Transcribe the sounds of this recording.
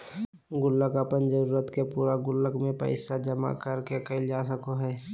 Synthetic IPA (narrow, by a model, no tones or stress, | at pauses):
ɡʊlːəkəpənd͡ʒəɾuːɾət̪kepuːɾaɡʊlːəkmẽpɛ̰ɪsad͡ʒəma̰kəɾkekəɪld͡ʒaːs̬əkoɦɛː